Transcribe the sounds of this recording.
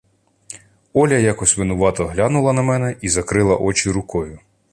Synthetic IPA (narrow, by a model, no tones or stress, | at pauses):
ɔlʲɐjɑkɔsʲʋɪnʊʋɑt̪ɔɦlʲɑnʊlˠɐnɐmɛnɛʔizɐkɾɪlˠɐʔɔt͡ʃiɾʊkɔjʊ